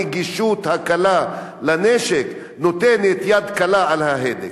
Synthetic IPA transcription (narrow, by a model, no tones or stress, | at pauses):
ɡiʃut̪hakala | laneʃek | not̪enet̪jad̪kalaalhaɦed̪ḛ